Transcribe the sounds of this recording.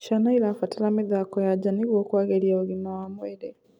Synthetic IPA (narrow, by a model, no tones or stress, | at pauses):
ʃanaiɾafatiɾamiðakojaɟaniɣwoːkwaɣeɾiaoɣinawamweɾe